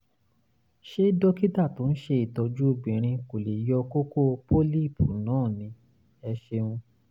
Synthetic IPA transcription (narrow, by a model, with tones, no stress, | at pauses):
ʃe˦dɔ˦ki˦ta˦˨to˨˦n̩˦ʃe˧i˨tɔ˧d͡ʒu˦o˧ɡ͡bĩ˨ɾ̃ĩ˧ko˨le˨jɔ˧ko˦ko˦˧po˦li˦˨pu˨˦nãː˦˨nĩ˨˧ | ɛ˧ʃe˧ũ˧